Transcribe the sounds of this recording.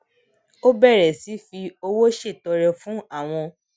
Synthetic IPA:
o˦bɛ˦˨ɾɛ˨si˨˦fi˧o˧wo˦ʃe˦˨tɔ˧ɾɛ˧fũ˦a˦˨w̃ɔ̃˧

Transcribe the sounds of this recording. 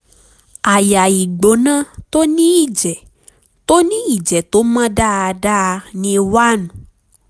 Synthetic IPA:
a˨ja˨i˨ɡ͡bo˨˦nã˦t̪o˦nĩ˦i˦˨d͡ʒɛ˨ | t̪o˦nĩ˦i˦˨d͡ʒɛ˨t̪o˨˦mã˦da˦a˧da˦˧nĩ˧wa˦nũ˨

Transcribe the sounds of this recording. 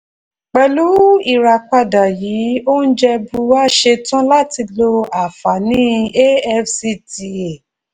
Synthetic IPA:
k͡pɛ˨lu˨˦i˦˨ɾa˨k͡pa˧˨da˨jiː˨˦o˦n̩˦d͡ʒɛ˧bu˧wa˦˨ʃe˧tã˦la˦˨ti˧lo˧a˨fa˨nĩ˦e˦ɛ˧fsi˧˦ti˧e˨

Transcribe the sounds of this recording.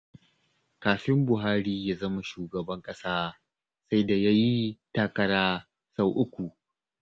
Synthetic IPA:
kaː˨ɸɪ˦mbʊ˨ɦaː˦ɾiː˦jaː˦zɐ˦ma˦ʃuː˨ɡɐ˨bɐ˦ŋkʼɐ˦saː˦ | sa˦jda˨ja˦ji˦taː˦kɐ˦ɽaː˦ | sa˦˨wʔʊ˦kʷu˨

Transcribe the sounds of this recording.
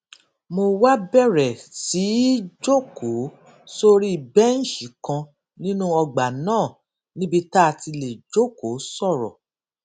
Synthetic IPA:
mo˧wa˦bɛ˦˨ɾɛ˨ti˨˦d͡ʒo˦˨kʰo˨˦ | so˦ɾi˦i˨bɛ˦n̩˦ʃi˨˦kã˧ | nĩ˦nũ˦ɔ˧ɡ͡ba˨nãː˦˨ | nĩ˦bi˦ta˦a˨ti˧le˨d͡ʒo˦˨ko˨˦sɔ˦˨ɾɔ̰˨

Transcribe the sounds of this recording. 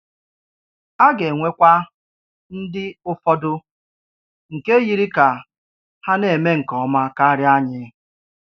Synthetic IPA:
a˦ɡe˨ŋʷe˦kʷa˦ | n̩˦dɪ˦ʊ˦fɔ˦dʊ˦ | ŋ̩˨ke˦ji˦ɾi˦ka˨ | ha˦ne˨me˦ŋ̩˨kɔ˨˦ma˦ka˦ɾɪ˦a˦ɲɪ˦

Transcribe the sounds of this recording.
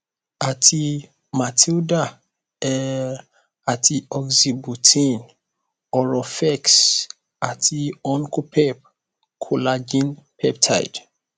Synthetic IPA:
a˨tʰi˨ | ma˨tʰi˦lda˦ | ɛ | a˨tʰi˨ɔ˨ɡzi˨bu˨tʰĩn | ɔ˨ɹɔ˨fɛ˦ks | a˨tʰi˨ɔ˦nku˦pʰɛp̚ | kʰu˨lad͡ʒĩ˦npʰɛ˦p̚tʰa̰j̰d̥

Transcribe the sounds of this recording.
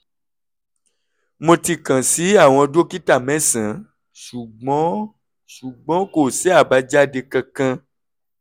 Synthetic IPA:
mõ˧ti˧kã˨si˨˦a˦˨w̃ɔ̃˧do˦ki˦ta˦˨mɛ̃˨˦sã˨˦ | ʃu˨ɡ͡bɔ̃˨˦ | ʃu˨ɡ͡bɔ̃˨˦ko˦˨sɛ˦a˦˨ba˨˧˦d͡ʒa˦de˧kã˧kã˧

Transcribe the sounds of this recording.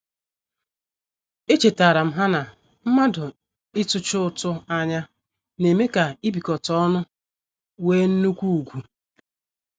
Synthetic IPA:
e˦t͡ʃe˨ta˨ɾa˨m̩˦ɦa˦na˨ | m̩˦ma˦dʊ˨ | ɪ˦tʊ˦t͡ʃʊ˦˨tʊ˦a˦ɲa˦ | ne˨me˦ka˨i˦bi˨kɔ˨tɔ˦nʊ˦ | weː˦n̩˦nu˦kʷu˦u˨ɡʷu˨

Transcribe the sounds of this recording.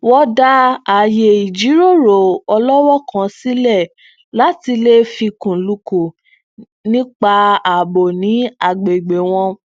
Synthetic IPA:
wɔ˧da˧a˨je˨i˨d͡ʒi˨˦ɾo˦˨ɾo˨ɔ˧lɔ˦wɔ˦kã˧˦si˦lɛ˦˨ | la˨˦ti˧le˦fi˧kũ˨lu˧ku˨ | nĩ˦k͡pa˧a˨bo˨nĩ˨˦a˦˨ɡ͡be˨ɡ͡be˨w̃ɔ̃˧

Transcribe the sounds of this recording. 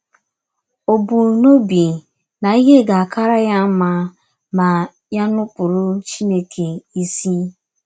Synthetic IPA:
o˨bu˨no˦bi˨ | na˨i˦ɦe˦ɡa˨a˨ka˦ɾa˦ja˦m̩˦ma˦ | ma˨ | ja˦nʊ˦pʊ˨ɾʊ˦t͡ʃi˦ne˦kʰe˨i˦si˦

